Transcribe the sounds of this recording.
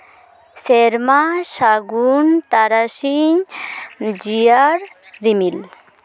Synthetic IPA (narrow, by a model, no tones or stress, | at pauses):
seɾmaʃaɡunt̪aɾaʃiɲ | d͡ʒijaɾ | ɾimil